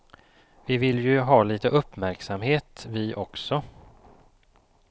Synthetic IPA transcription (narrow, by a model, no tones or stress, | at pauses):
vɪvɪljɵɦɑːliːt̪əʔɵpːmæɾksamheːt̪vɪʔɔksɔ